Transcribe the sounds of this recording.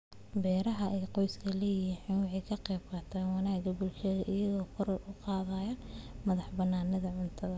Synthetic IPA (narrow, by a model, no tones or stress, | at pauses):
bɛːɾɐɦɐʔɛːqɔjskʰɐlɛjɪħiːnwɑħɑjkʰɐqɛːbqɑt̪ʰaːnwɑnaːɡɐbʊlʃɐðɐʔɪjɐðɔːkʰʊɾɔrʊqɑːðaːjɐmɐðɑħbɐnːaːnɐðɐʕʊnt̪ʰɐðɐ